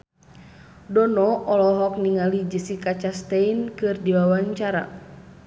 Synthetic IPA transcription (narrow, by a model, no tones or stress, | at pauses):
dɔnɔʔɔlɔɦɔk̚niŋalid͡ʒəsikat͡ʃast̪ɛinkɨrdiwawaɲt͡ʃaɾa̰